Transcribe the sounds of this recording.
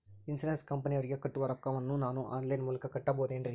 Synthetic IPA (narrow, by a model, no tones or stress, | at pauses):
ɪnsɐnɐskɐmpɐniʋɐɾɣɐkːɐʈːɯʋɐɾɐkːɐʋɐnːũnaːnũʔa̰ːnlɐːnmʊlɯkːɐkːɐʈːap̬oːðeːndrĩ